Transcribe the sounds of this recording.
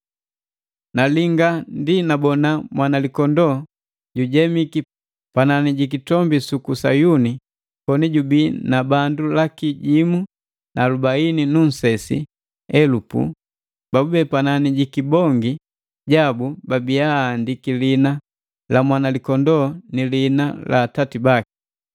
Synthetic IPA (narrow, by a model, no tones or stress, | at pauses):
naliŋɡandinabɔnamwanalikɔndɔ | ɟuɟɛmiki | pananiɟik̬itɔmbisukusajuni | pɔniɟubinabandulakiɟimu | nʔalubaininun̩sɛsḭ | ɛlupṵ | b̥abubɛpananiɟikibɔŋɡi | ɟabubabiaːndikilina | lamwanalikɔndɔnilinala̰ːtatibaki̥